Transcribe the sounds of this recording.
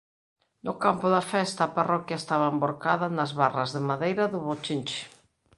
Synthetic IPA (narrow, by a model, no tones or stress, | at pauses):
nʊkampʊðɐfɛst̪ɐaːparɔkjaest̪aβɐemboɾkaðɐnɐzβarɐzðɪmaðejɾɐðʊβot͡ʃint͡ʃɪ̥